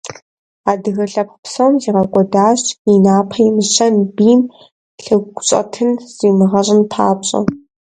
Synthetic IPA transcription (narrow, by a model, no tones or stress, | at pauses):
aːdɨɣɐɬɐppsɐwmziːʁɐkʷʼɔdaːɕinaːpʰɐjmɨɕɐnbiːm | ɬɨɡʷɕʼɐ̰tʰɨnz̥iːmɨʁɐɕʼɪnpʰa̰ːpɕʼɐ̰